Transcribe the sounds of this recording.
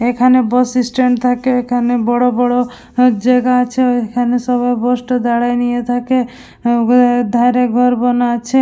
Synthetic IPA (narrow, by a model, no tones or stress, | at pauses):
ekʰanebɔsisʈeɳʈ̚t̪ʰakeekʰanebɔɽobɔɽo | d͡ʒaɡaat͡ʃʰeekʰanesɔbajbɔsʈod̪aɽajnijet̪ʰake | d̪ʱajɾeɡʱɔɾbɔnat͡ʃʰe